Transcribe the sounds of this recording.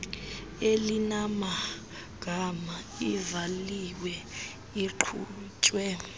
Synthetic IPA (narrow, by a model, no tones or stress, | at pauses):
elinama | ɡ̥ʱama | ivaliwɛ | iǃʰuːt͡ʃʼwɛ